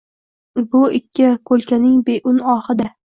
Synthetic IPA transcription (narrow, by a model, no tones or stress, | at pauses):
bʊɪkʲʰːɪkʰolkʲʰanɪŋbeʔʊnɒhɨd̪a